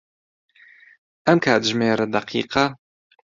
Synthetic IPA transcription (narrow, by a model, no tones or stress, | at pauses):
ʔɛmkʰaːd̪ʒmeːɾɐd̪ɐqʰḭːqɑ